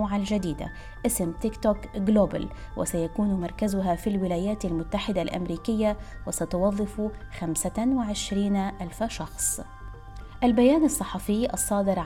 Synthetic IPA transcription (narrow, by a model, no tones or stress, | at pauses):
ʕald͡ʒad̪iːd̪a̰ | ʔɪsmt̪ɪkt̪oːkɡloːba̰lwʔɪ̰sajakuːnmɑɾˤkazʊɦafilwɪlaːjaːt̪almʊt̪ːaħɪd̪alʔa̰mɾiːkɪjːawɪsat̪ʊwɑðˤːɨfuxamsawɪʕɪʃɾiːnʔalfaʃɑxsˤ | ʔalbajaːnɑsˤːɑħɑfɪjːʔɑsˤːɑːd̪ɪɾʕ